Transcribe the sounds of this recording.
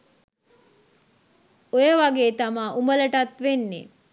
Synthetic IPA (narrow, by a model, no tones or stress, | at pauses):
ojəʋaɡeːt̪amaːʔumələʈat̪ʋenːe